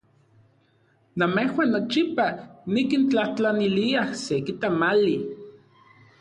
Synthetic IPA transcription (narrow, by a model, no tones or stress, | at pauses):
namehwanːot͡ʃipanikint͡ɬaht͡ɬaniliahsekit̪amali